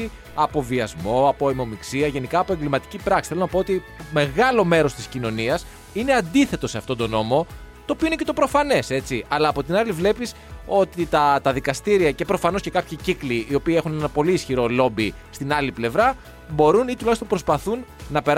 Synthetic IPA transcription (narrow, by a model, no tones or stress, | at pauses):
i | ɐpo̞viɐzmo̞ɐpo̞emo̞miksiɐʝe̞nikɐːpoeɡlimɐt̪i̥cipɾɐksi̥θelonɐpo̞ot̪i | me̞ɣɐlo̞me̞ɾo̞st̪iscino̞niɐs | ine̞ɐnd̪iθe̞t̪o̞se̞ɐft̪o̞nd̪o̞no̞mo̞t̪oːpioinece̞t̪o̞pɾo̞fɐne̞se̞t͡siɐlɐːpo̞t̪inɐlivle̞pis | o̞t̪it̪ɐt̪ɐðikɐst̪iɾiɐce̞pɾo̞fɐno̞sce̞kɐpçicikliːo̞piːe̞xunenɐpo̞liːsçiɾo̞lo̞bi | st̪inɐliple̞vɾɐ | bo̞ɾunit̪ulɐçst̪ompɾo̞spɐθunːɐpe̞ɾ